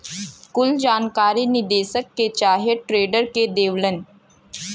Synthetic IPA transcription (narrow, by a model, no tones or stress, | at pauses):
kʊld͡ʒaːnkaːɾinɪd̪eːʃəkːet͡ʃaːɦeʈɾeːɖəɾked̪eːʋlən